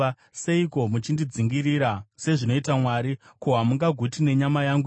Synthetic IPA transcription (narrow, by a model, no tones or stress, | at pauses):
se̞iko̞mut͡ʃindid͡ziŋɡiɾiɾase̞ʐino̞itamwaɾikoɦamuŋɡaɡʱutine̞ɲamajaŋɡu